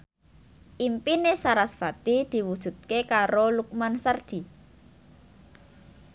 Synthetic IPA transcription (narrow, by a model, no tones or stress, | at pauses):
ʔimpinesaɾasfat̪id̪̥i̤wud̥ʒ̥ṳt̪̚kekaɾoluk̚mansərd̪̥i